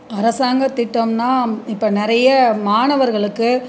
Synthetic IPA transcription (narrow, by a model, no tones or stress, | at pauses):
ɐɾɐsaːŋɡɐt̪ːɪʈːɐmnaːɪpːoːnɪɾɐjɐmaːɳɐʋɐɾɣɐɭɯkːɯ